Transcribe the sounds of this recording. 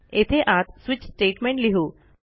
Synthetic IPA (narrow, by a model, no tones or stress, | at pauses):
et̪ʰeʔat̪swit͡ɕsʈeːʈmẽɳʈliɦu